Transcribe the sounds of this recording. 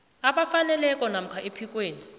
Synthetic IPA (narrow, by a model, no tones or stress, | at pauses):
aɓafanɛlɛkʼɔnam̩kʰaʔepʰikʼweːni